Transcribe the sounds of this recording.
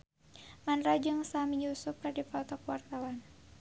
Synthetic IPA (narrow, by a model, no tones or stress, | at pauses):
manɾad͡ʒɨŋsamiɲusʊp̚kadipalt̪ɔkuwart̪awan